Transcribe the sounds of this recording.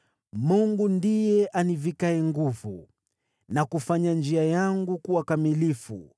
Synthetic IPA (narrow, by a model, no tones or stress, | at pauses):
muŋɡundijɛʔanivikaɛŋɡuvṵ | nakufaɲand͡ʒiajaŋɡukuwakamilifṵ